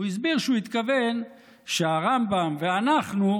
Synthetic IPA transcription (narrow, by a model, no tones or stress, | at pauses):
uis̬biʁʃeuit̪kaven | ʃeaʁambamveanaχnu